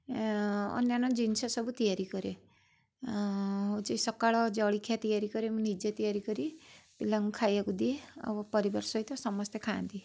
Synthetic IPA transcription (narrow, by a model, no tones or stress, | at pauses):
ɔ̰njanɔd͡ʒinsɔsɔbut̪ijaɾikɔɾe | ɦot͡ʃijsɔkaɭɔd͡ʒɔɭikʰːjat̪ijaɾikɔɾemũnid͡ʒet̪ijaɾikɔɾipilaŋukʰajekud̪ieɔ̰bɔpɔɾibɔɾsɔjt̪ɔsɔmɔst̪ʰjekʰãnd̪ie